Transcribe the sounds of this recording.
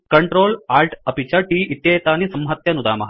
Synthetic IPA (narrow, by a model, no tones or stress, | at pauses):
kɐɳʈɾoːlaːɾʈɐpit͡ʃɐʈiːit̪jeːt̪aːnisɐmɦɐt̪jɐnud̪aːmɐɦ